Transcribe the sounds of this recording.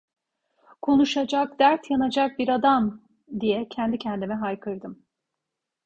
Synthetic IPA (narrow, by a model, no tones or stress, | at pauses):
kʰo̞nuʃad͡ʒak̚d̪æɾt̪ʰjanad͡ʒak̚biɾad̪am | d̪ijɛcʰɛnd̪icʰɛnd̪imɛɦajkʰɯɾd̪ɯm